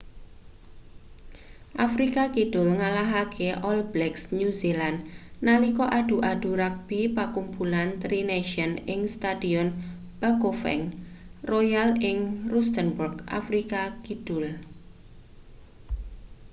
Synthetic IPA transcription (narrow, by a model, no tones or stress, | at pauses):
ʔafɾikakiɖ̥ʊlŋalaɦakʰeʔɔlblɛksnjuzilannalikɔʔad̥uʔaɖ̥uɾak̚b̥ipakumpulant̪ɾineʃiɔnɪŋst̪adiɔn | b̥akofɛ̰ŋrɔjalɪŋrust̪ənburɡʔa̰fɾikakid̥ʊl